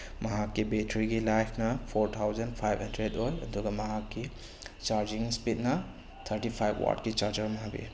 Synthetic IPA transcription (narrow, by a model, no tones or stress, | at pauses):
mɐɦakːibetʰɾiɡilajpʰnɐpʰoɾt̪ʰawzɐnpʰajbhɐndɾedojɐ̰duɡɐmɐɦakːi | t͡ʃaɾd͡ʒiŋspit̚nɐ | t̪ʰɐɾtipʰajbwa̰tkit͡ʃaɾd͡ʒɐɾmɐɦabḭ